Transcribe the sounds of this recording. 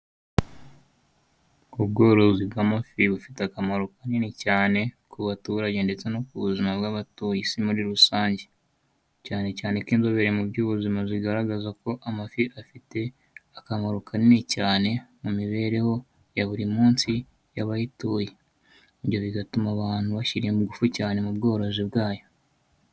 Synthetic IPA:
uβɡo̞ːɾozibɡaːmafiβufi̥teakamaɾukaninicaːne̞ | kʰuβatuːɾaɟe̞nde̞t͡seno̞kuβuzimaβɡaβatoːjisimuɾiɾusaːɲɟe̞ | caːne̞caːnekiːnzo̞βeɾemubɟuːβuzimaziɡaɾaɡazako̞ʔamafiʔafite̞ | akamaɾukʰaninicaːne̞mumiβe̞ːɾe̞ho̞ | jaβuɾimuːnsi | jaβajituje | iβjo̞βiɡatumaβaːn̥huβaçiɾijemuɡufucaːne̞mubɡo̞ːɾo̞zibɡaːjo̞

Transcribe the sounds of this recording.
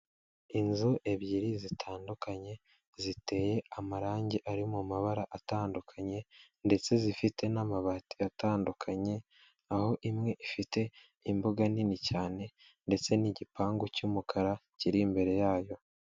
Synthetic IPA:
inzuʔe̞βjiːɾizitʰaːndukaɲe̞ | zite̞ːje̞amaɾaːɲɟiʔaɾimumaβaɾaʔataːndukʰaɲe̞ | nde̞t͡se̞zifite̞namaβati̥ataːndukʰaɲe̞ | aho̞ʔimŋe̞ʔifite̞ | imbuɡaninicaːne̞ | nde̞t͡se̞niɟipaːŋɡocuːmukʰaɾaciɾimbe̞ɾe̞jaːjo̞

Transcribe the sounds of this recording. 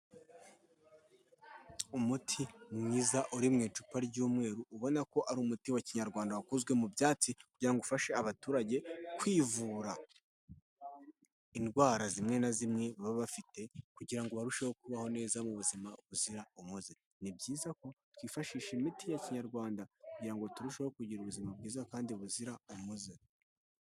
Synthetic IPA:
umutʰimŋiːzaʔuɾimŋeːt͡ʃu̥paɾɟuːmŋe̞ːɾuuβo̞nako̞ʔaɾuːmutiwaciɲaɾɡwaːndawakuzɡwe̞mubjaːt͡sikuɟiɾaŋɡoufaʃeaβatuːɾaɟe̞kwiːvuːɾa | inɡwaːɾazimŋe̞nazimŋe̞βaβaβafite̞kuɟiɾaŋɡoβaɾuʃehok̚uβaho̞ne̞ːzamuβuzimaβuziɾaumuze | nibɟiːzako̞twiːfaʃiːʃimitijaciɲaɾɡwaːndakuɟiɾaŋɡo̞tuɾuʃehokuɟiɾuβuzimab̚ɡiːzakaːndiβuziɾaumuze

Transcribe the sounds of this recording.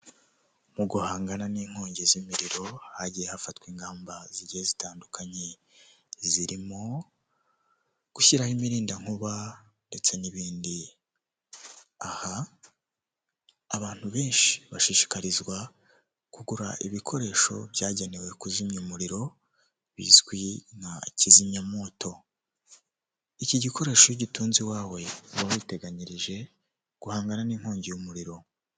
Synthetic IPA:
muɡuhaːŋɡananiːŋ̥ho̞ːɲɟezimiɾiɾo̞haɟijehafatwiːŋɡaːmbaziɟijezitaːndukʰaɲe | ziɾimo̞ | ɡ̥uçiɾahimiɾiːndaŋ̥uβa | nde̞t͡se̞niβiːndi | aha | βaːn̥huβe̞ːnʃi̥βaʃiʃi̥kaɾizɡwa | kuɡuɾaʔiβikʰo̞ɾe̞ːʃo̞̰βjaːɟenewe̞kuzimɲumuɾiɾo̞ | βḭzɡwinaciziɲɲamo̞ːto̞ | iciɟiko̞ɾe̞ːʃojiɟituːnziwaːwe̞βawite̞ɡaɲiɾiʒe̞ | ɡ̥uhaːŋɡananiːm̥ho̞ːɲɟijumuɾiɾo̞

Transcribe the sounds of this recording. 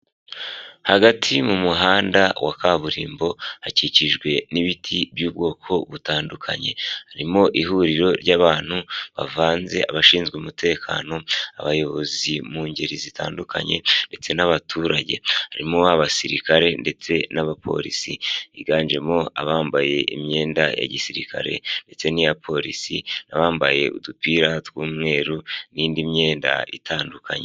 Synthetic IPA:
haɡatʰimumuɦaːndawa̰kʰaβuɾḭːmbo̞haciciʒɡwe̞niβitʰibjuːb̚ɡo̞ːkʰo̞βutaːndukʰa̰ɲe̞haɾimo̞ʔiɦuɾiɾo̞ɾɟaβaːn̥huβa̰vaːnze̞ʔaβaʃiːnzɡumute̞ːkʰa̰no̞a̰βajo̞βo̞zimuːɲɟe̞ɾizita̰ːnduka̰ɲe̞̰nde̞t͡se̞naβatʰuːɾaɟe̞̰haɾimoaβasiɾikaɾe̞nde̞t͡se̞naβapʰo̞̰ɾisiiɡaːɲʒe̞mo̞a̰βaːmbaje̞ʔimɲe̞ːnda̰ja̰ɟisiɾikʰa̰ɾe̞̰nde̞t͡se̞nijapʰo̞ɾisinaβaːmbaje̞ʔudupiɾatwuːmŋe̞ːɾuniːndimɲe̞ːnda̰ḭtʰaːndukʰaɲe

